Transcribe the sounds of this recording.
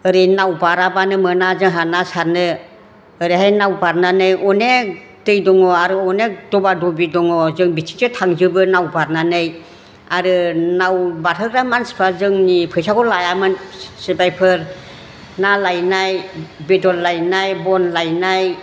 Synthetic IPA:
ɯɾinawbaɾabanɯmɯnazɯŋɦanasaɾnɯ | ɯɾiɦajnawbaɾnanɯjɔne | dɯjdɔŋɔaɾɯɔnedɔbadɔbidɔŋɔzɯŋbitʰi̥sɯtʰaŋzɯbɯnawbaɾnanɯj | aɾɯnawbatʰɯɡɾamanspʰazɯŋnipʰɯjsakɔlajamɯnsebajpʰɯɾ | nalajnajbedɔlːajnajbɔnlajnaj

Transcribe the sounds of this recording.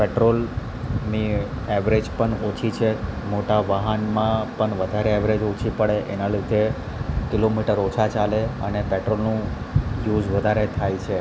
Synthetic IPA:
peʈɾol | ni | ɛʋɾed͡ʒpəɳot͡ʃʰit͡ʃʰemoʈaʋəɦənmãpəɳʋəd̪ʱaɾeɛʋɾed͡ʒot͡ʃʰipəɭeʔḛnalid̪ʱe | kɪlomiʈəɾot͡ʃʰat͡ʃaleə̰nepeʈɾolnũ | jud͡ʒʋəd̪ʱaɾet̪ʰajt͡ʃʰe

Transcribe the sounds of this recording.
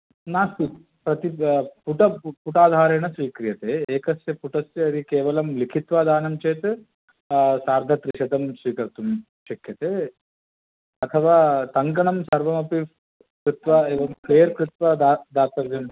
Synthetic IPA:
naːst̪it̪ | pɾɐt̪ipuʈɐpuʈaːd̪ʱaːɾeːɳɐsʋiːkɾijɐt̪eːeːkɐsjɐpuʈɐsjɐɐd̪ikeːʋɐlɐmlikʰit̪ʋaːd̪ʱaːnɐmt͡ʃeːt̪e | saːɾd̪ʱɐt̪ɾiʃɐd̪ɐmsʋiːkɐɾt̪um | ʃɐkjɐt̪eː | ɐt̪ʰɐʋaːt̪ɐŋkɐɳɐmsɐɾʋɐmɐpi | kɾut̪ʋɐeːʋɐmkleːɾkɾut̪ʋɐd̪ad̪ʱaːt̪ɐʋjɐm

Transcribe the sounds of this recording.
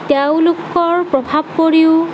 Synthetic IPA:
teʊ̃lʊkɔɹpɹɔbʱab̚koɹiʊ

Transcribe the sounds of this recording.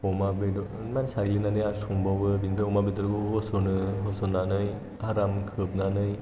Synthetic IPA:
ɔmabedɔ | mansaɡlinanɯjasuŋbawɯbindɯomabetɯɾɡoɦosonɯɦɔsonanɯj | haɾamkʰɯp̚nanɯj

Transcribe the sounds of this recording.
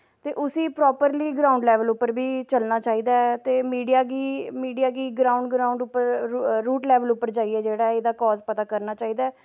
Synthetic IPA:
t̪eːʔʊsĩːpɾɔːpəɾliːɡɾaːʊɳɖlɛːʋəlʊpːəɾbiːt͡ʃəlnaːt͡ʃaːiːd̪aːɛt̪eːmiːɖijaːɡiːmiːɖijaːɡiːɡɾaːʊ̃ɳɖɡɾaːʊ̃ɳɖʊpːəɾɾuːʈlɛːʋəlʊpːəɾd͡ʒaːiːɛːd͡ʒeːɽaːɛed̪aːkɔːzpət̪aːkəɾnaːt͡ʃaːiːd̪aːɛː

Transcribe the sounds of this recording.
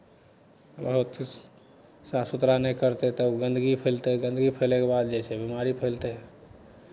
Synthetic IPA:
bəɦut̪ | sasut̪ɾanɛjkəɾt̪et̪əɡə̃nd̪ɡipʰəlt̪eɡənd̪ɡipʰəlekebad̪̚d͡ʒet͡ʃʰɛbimaɾipʰəlt̪e

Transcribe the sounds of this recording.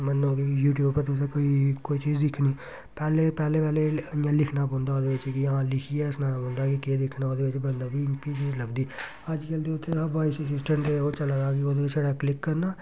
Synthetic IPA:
mənːõːɡeːkjuːʈjuːbpəɾt̪eseːkoːiːkoːiːt͡ʃiːzd̪ɪkʰːniː | pɛːleːpɛːleːpɛːlejãːlɪkʰnaːbõːnd̪aːoːd̪eːʋɪt͡ʃkiɦãːlɪkʰiɛːɪsnaːlaːbõnd̪aːkɪked̪ɪkʰnaːoːd̪eːʋɪt͡ʃbənd̪aːbiːɪnpiːt͡ʃiːzləɡd̪iː | əd͡ʒkəld̪eʊt̪ʰːeʋaːisəs̬ɪsʈə̃ɳʈd̪eoːt͡ʃəlaːɾaːɡioːd̪eːʋɪt͡ʃd͡ʒeːɽaːklɪkːəɾnaː

